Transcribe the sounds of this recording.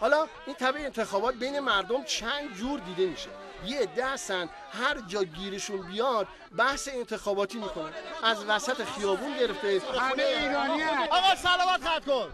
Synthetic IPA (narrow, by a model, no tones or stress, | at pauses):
hɒːlɒː | int̪ʰæbeːnt̪ʰe̞xɒːbɒːt̪̚bejne̞mæɾd̪o̞mt͡ʃʰænd̪d͡ʒuːɾd̪iːd̪e̞miːʃe | jeed̪ːehæst̪ænd̪̥ | hæɾd͡ʒɒːɟiːɾeʃunbijɒd̪̥̚ | bæhse̞ent̪ʰe̞xɒːbɒːt̪ʰiːmiːkʰonænæzvæsæt̪ʰexijɒːbunɟe̞ɾe̞ft̪eomeiːɾɒniɒɣɒːsælɒːmæt̪χat̪kon